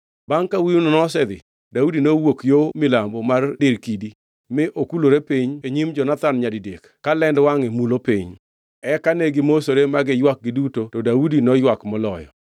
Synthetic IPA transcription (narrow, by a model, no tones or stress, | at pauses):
baŋkawiunɔnɔs̬ɛd̪ɪ̰ | daudinowokjomɪlambɔmardɪɾkidi | mɪʔokuloɾepiɲeɲimd͡ʒɔnat̪anɲadidek | kːalɛndwaŋɪmulopḭɲ | ɛkaneɡɪmosoɾemaɡɪjwak̚ɡɪdutotɔdaudinɔjwakmɔlɔjɔ̰